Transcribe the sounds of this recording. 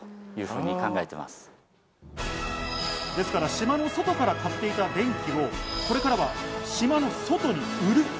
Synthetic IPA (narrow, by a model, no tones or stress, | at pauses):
jɯ̟ːɸɯ̟ːɲ̟ikãŋɡaet̪e̞̰ma̰sɨ̥ | d̪e̞sɨ̥kaɾaɕimano̞so̞t̪o̞kaɾakat̪ːe̞it̪ad̪ẽ̞ŋkʲio̞ko̞ɾe̞kaɾaβaɕimano̞so̞t̪o̞ɲ̟iɯ̟ɾɯ̟